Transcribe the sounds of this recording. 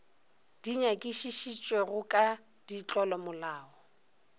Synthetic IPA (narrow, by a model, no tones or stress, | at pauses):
d̥iɲakʼiʃiʃit͡ʃʼweɣʊkʼa | d̥it͡ɬʼɔlɔmʊlaːɔ